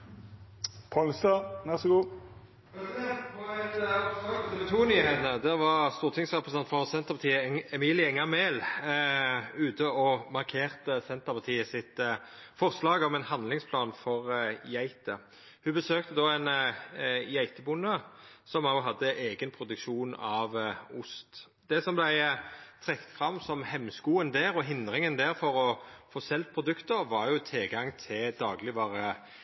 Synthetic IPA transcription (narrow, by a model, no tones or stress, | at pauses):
pʰɔlst̪ɑʋɛʁsɔɡuː | t̪ʰuːnyːheːt̪əd̪æʋɑʁst̪uːʁt̪ʰɪŋsʁɛpɾəsɛnt̪fɔʁsɛnt̪əʁpɑt̪ʰiːəɛmiːlɪɛŋːɑʁmeːl | ʉːt̪əɔmɑʁkʰeːʁt̪əsɛnt̪əʁpʰɑʁt̪ʰiːəsɪt̪fɔʁslɑːɡɔmɛnhɑnlɪŋspʰlɑːnfɔʁjæɪt̪ə | hʉbəsøːkt̪əd̪ɔæɪn | jæɪt̪əbʊnːəsɔmɑʊɦɑd̪ːəʔeːɡənpʰʁʊd̪ʉkʃuːnɑʋʊst̪ | d̪ɛsɔmblæɪt̪ʰʁɛkt̪fʁɑmsɔmhɛmːskuːənd̪æːɾɔɦɪnd̪ʁɪŋənd̪æːʁfɔɾɔfoːsɛlt̪̚pʰʁʊd̪ʉkt̪əʁʋɑɾjʊt̪ʰɪlɡɑŋt̪ʰɪld̪ɑːɡlɪʋɑːɾə